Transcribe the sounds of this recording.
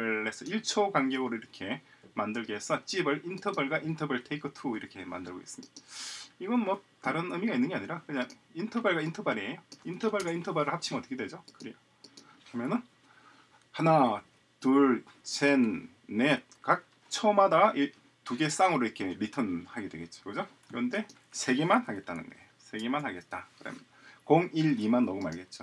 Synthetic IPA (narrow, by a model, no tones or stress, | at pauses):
esʰʌiɭt͡ɕʰokaŋɡeɯɾoiɾʌkʰe̞ | mandɯɭɡees͈ʌt͡ɕ͈ibɯɭintʰʌbaɭɡaʔintʰʌbʌɭtʰeikʰɯtʰuiɾʌkʰe̞ma̰ndɯɭɡo̰es͈ɯmɲid̥aiɡʌnmwʌtaɾɯnɯmiɡainːɯnŋɡeaɲiɾakɯɲaŋintʰʌbaɭɡaintʰʌbaɾiejointʰʌbaɭɡaintʰʌbaɾɯɭhap̚t͡ɕʰimʌtʰɯ̥kʰedwe̞d͡ʑokɯɾiɡo | kɯɾʌmjʌnɯn | hana | tuɭ | sʰenː | e | kak̚ | t͡ɕʰʌmadai | tuɡe̞s͈aŋɯɾoikʰe̞ɾitʰʌnhaɡedwe̞ɡe̞t̚t͡ɕ͈o̥kɯd͡ʑo | kɯɾʌnde̞ | sʰe̞ɡe̞manhaɡe̞t̚t͈anɯ̰ndḛ | sʰe̞ɡe̞manhaɡe̞t̚t͈akɯɾʌ̰m | koŋiɭimanːʌɡuma̰ɭɡe̞t̚t͡ɕ͈o